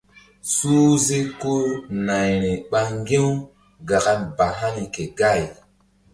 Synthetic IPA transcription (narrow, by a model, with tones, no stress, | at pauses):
su˦ze˦ko˦na˨jɾi˨ɓa˦ŋ˦ɡẽ˦w | ɡa˨ɡa˨˦nba˨ɦa˦ni˨ke˨ɡa˦˨j